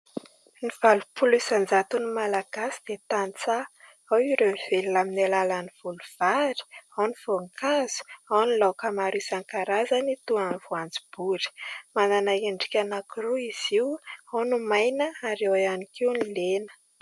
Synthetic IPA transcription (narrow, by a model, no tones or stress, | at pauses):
niv̥alupulisand͡zat̪unimalaɡ̥asi̥d̪̥et̪ant͡sa | awiɾeniv̥eliaminalalaniv̥uluv̥aɾi̥awniv̥oŋkʰaz̥u̥awnilakamaɾisaŋkaɾazanit̪uanvuand͡zi̥b̥uɾi̥mananaeɳɖ͡ʐi̥kʲanakuruiz̥iwawnumajnəaɾewanikiwnilenə̥